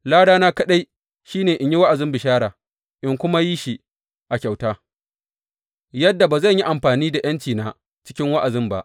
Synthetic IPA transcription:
laː˦ɽaː˦naː˦kɐ˦ɗa˦j | ʃiː˦neː˨ʔɪ˨ɲji˦wa˦ʔa˨zɪ˦mbɪ˨ʃaː˦ɾaː˨ | ʔɪ˨ŋkʷʊ˦ma˦ji˦ʃi˦ | ʔa˨kʲa˨wtaː˦ | jɐ˦dːa˨baː˨zɐ˦˨ɲji˦ʔa˨mɸaː˨niː˦da˨j̰ɐ˦nt͡ʃiː˨naː˦ | t͡ʃɪ̥˦kʲɪ˦ŋwa˦ʔa˨zɪ˦mba̰˦ʔ

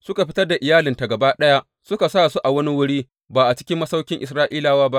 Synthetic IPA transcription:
sʊ˦ka˨ɸɪ˦tɐ˦rda˨ʔɪ˨jaː˦lɪ˨nta˨ɡɐ˨ba˦ɗɐ˦ja˦ʔ | sʊ˦ka˨saː˦˨su˦ʔa˨wɐ˦ni˦wʊ˦ɽiː˦ | baː˨ʔa˨t͡ʃɪ̥˦kʲɪ˦mːɐ˦sa˦wkʲɪ˦ŋʔɪ˨sɾaː˦ʔiː˦laː˨waː˦ba˦ʔ

